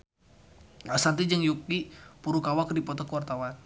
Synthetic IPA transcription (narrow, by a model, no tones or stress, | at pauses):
asant̪id͡ʒəŋjukipuɾukawakrdipɔt̪ɔkuart̪awan